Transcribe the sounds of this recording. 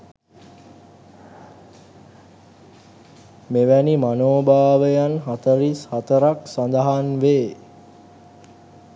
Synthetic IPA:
meʋænimanoːbaːʋəjanɦat̪əɾishat̪əɾaksand̪aɦanʋeː

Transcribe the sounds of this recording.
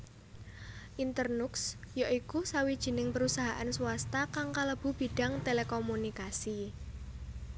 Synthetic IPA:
ʔint̪ərnuks | jaʔikusawid̥ʒ̥i̤nɪŋpəɾusaɦaʔansuwast̪akaŋkaləb̥ṳb̥i̤ɖ̥a̤ŋt̪elekɔmunikasi

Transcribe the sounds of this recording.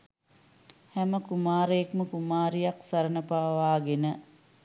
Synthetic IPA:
hɛməkumaːɾəekməkumaːɾijaksaɾənəpaːʋaːɡenə

